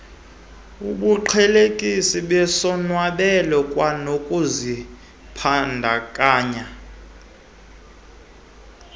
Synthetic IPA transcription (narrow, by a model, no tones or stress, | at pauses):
uɓuǃʰɛlekʼisiɓɛsɔnwaɓɛlɔkʼwanokʼuzi | pʰandʱakʼaːɲa